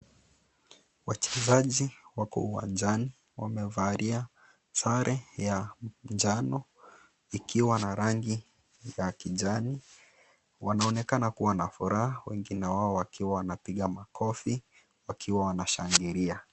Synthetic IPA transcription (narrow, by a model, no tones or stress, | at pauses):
wat͡ʃɛzaʄiwakɔ̰uwa̰nd͡ʒani | wamɛvaɾia | saɾʔɛjand͡ʒanɔ | ikʰiwanaɾaŋɡi | jakiʄani | wanaɔnɛkanakuwanafuɾahawɛŋɡinɛwaɔwakʰiwawanapiɠamakʰɔfi | wakʰiwawanaʃaŋɡiɾia